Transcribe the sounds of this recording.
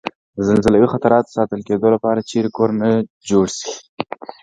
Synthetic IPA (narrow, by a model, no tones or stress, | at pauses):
d̪əzɪlzəlawixat̪aɾɑt̪o̥sɑt̪əlked̪olapɑɾat͡ʃeɾekoɾna | d͡ʒoɽsi̥